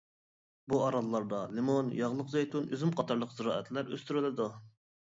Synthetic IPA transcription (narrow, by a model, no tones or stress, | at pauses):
buɑɾɑllˠɑɾd̪ɑlɪmonjɑʁlˠəqzejt̪unøzymqʰɑt̪ʰɑɾlˠəqzɨɾɑ̰ːɛ̰t̪læɾøst̪yɾɪlɪd̪u